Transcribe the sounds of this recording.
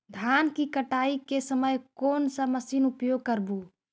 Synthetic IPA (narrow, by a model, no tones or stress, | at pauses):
d̪ʱankikəʈaikesəməjkoːnsəməsinupjoɡ̚kəɾbu